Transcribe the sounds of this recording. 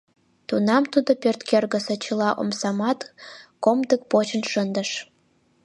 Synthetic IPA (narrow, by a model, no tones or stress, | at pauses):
t̪unɑmt̪ud̪opørt̪kerɣə̆sĕt͡ɕə̆lɑʔo̰msɑmɑt̪komd̪ək̚pot͡ɕə̆nʃənd̪ə̆ʃ